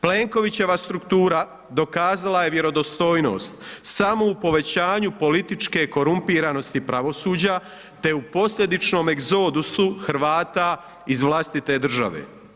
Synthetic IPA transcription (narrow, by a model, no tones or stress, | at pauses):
ple̞ːŋko̞ʋit͡ɕe̞ʋast̪ɾukt̪uːɾa | d̪o̞kaːzalaje̞ʋje̞ɾo̞d̪o̞st̪o̞ːjno̞̰ːst̪samo̞upo̞ʋe̞t͡ɕaːɲupo̞lit̪it͡ʃke̞ko̞ɾumpiːɾano̞st̪ipɾaʋo̞suːd͡ʑa | t̪e̞upo̞sʎʲe̞d̪it͡ʃno̞ːmeɡzo̞ːd̪usuxɾʋaːt̪a | izʋlˠast̪it̪e̞d̪r̩ʒa̰ʋḛː